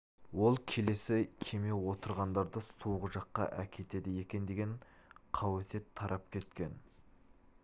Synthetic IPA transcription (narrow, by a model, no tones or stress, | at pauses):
wo̞lˠkʲʰe̞le̞sɪkʲʰe̞me̞wo̞t̪əɾʁɑnd̪ɑɾd̪əsuwʁəʒɑqːɑ̰ʔækʲʰe̞t̪e̞d̪ɪje̞kʲe̞nd̪eɡʲeɴqʰɑwese̞t̪ʰːɑɾʔɑp̚kʲʰe̞t̪kʲe̞n